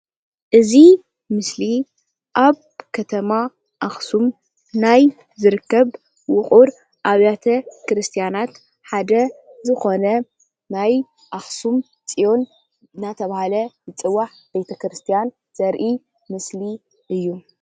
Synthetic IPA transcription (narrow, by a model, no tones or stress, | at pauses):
ʔɨzi | mɨsli | ʔaβ | kʰɐt̪ʰɐma | ʔaxsum | naj | zɨɾɨkːɐβ | wʊχʼuɾ | ʔaβjat̪ʰɐkɾɨst̪ʰijanat̪ | ħad̪ɐzɨxo̞nɐ | naj | ʔaxsum | t͡sʼijo̞n | nat̪ʰɐβahalɐbɨt͡sʼɨwːaħ | b̥e̞t̪ʰɐkɾɨst̪ʰijan | z̥ɐɾʔi | mɨsli | ʔɨjːu